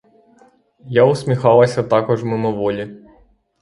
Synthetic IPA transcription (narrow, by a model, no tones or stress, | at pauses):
jaʊsʲmʲixɑlˠɐsʲɐt̪ɑkɔʒmɪmɪʋɔlʲi